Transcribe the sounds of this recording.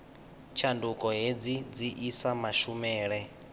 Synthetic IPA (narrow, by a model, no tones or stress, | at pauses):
t͡ʃʰandukʼɔɦed͡zid͡ziʔisamaʃumɛːɺɛ